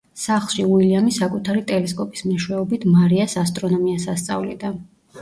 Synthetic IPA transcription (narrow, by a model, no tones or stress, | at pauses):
saχlˠʃiuwiliamisakʼut̪ʰaɾit̪ʼɛlɛskʼɔpʼi̥smɛʃwɛɔbit̪ʰmaɾiasast̪ʼɾɔnɔmiasast̪sʼa̰vlid̪a